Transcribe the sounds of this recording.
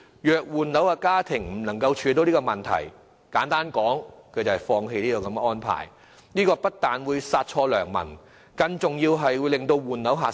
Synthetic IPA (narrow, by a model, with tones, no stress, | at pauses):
jœː˨k̚wuː˨nnɐ˨˥waː˧kaː˥t̪ʰɪ˨˩ŋm̩˨˩nɐ˨˩ŋkɐ˧wt͡ʃʰyː˨˧t̪o˨˧wniː˥kɔː˧mɐ˨˩nt̪ʰɐ̰˨˩j | kaː˨˥nt̪aː˥nkɔː˨˥ŋkʰɵ˨˧jt͡sɐ˨˩hɐ˨˩jfɔː˧ŋɦe˧jliː˥kɔː˨˧kɐ˨˧m˧ɔː˥npʰa̰ː˨˩j | niː˥kɔː˧pɐ˥t̚t̪aː˨nwuː˨˧jsaː˧t̚t͡ʃʰɔː˧lœ̰ː˨˩ŋmɐ̰˨˩n | kɐ˧ŋt͡sʊ˨ŋjiː˧wɦɐ˨jwuː˨˧jlɪ˨˩ŋt̪o˧wwuː˨nnɐ˨˥wɦaː˨